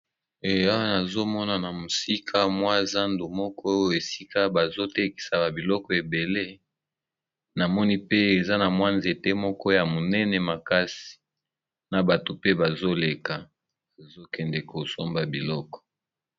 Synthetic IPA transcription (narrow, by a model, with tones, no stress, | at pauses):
e˨a˦wa˦na˨zo˦mɔ˦na˨na˨mo˨si˦kʰa˦mwa˦˨za˦ndo˨mɔ˦kɔ˦jo˦e˨si˦ka˦ba˨zo˦te˦ki̥˨sa˨ba˨bi˨lɔ˦kɔ˨e˨be˨le˦ | na˨mɔ˦ni˦pe˦e˨za˦na˨mwa˦nzi˨e˨te˦mɔ˦kɔ˦ja˨mo˨nɛ˦nɛ˨ma˨ka˦si̥˨ | na˨ba˨to˨pe˦ba˨zo˦le˨ka˨ | a˨zo˦kɛ˨ndɛ˨ko˨so˦mba˨bi˨lɔ˦kɔ̥˨